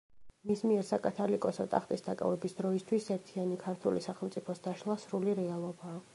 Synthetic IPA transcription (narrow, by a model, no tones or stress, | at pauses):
mismiɛɾsakʼat̪ʰalikʼɔsɔt̪ʼaχt̪ʼisd̪akʼa̰vɛbisd̪ɾɔist̪ʰwisɛɾt̪ʰianikʰaɾt̪ʰulḭsaχɛlˠmt̪sʼipʰɔsd̪aʃlˠasɾuliɾɛalˠɔbaː